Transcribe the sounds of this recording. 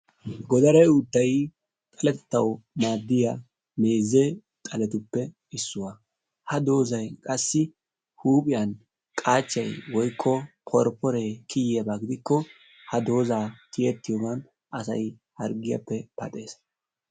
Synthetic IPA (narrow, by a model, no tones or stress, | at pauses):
ɡɔd̪ɐɾɐjʊd̪ːɐj | t̪ʼɐlɛt̪ɛ̥t̪ːɐwmaːd̪ːɪja | me̞ːzːe | t̪ʼɐlɛt̪ʊpːɛ | ɪsːʊwa | hɐd̪o̞ːzɐjkʼɐsːɪ | huːpʼɪjɐn | kʼaːt͡ʃːɐjwɔjkʰːɔ | pʰɔɾpːɔɾekʰɪjabaːɡɪd̪ɪkːɔ | hɐd̪o̞ːzaːt̪ɪjɛt̪ːɪjoɡɐn | ɐsɐ̰j | hɐɾɡɪjɐ̰pːɛpɐt̪ʼe̞ːs